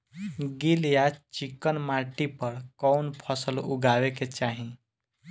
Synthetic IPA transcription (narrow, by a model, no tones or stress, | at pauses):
ɡiljat͡ʃikənmaʈipʌɾkɔnpʰʌsəluɡaweket͡ʃaɦĩ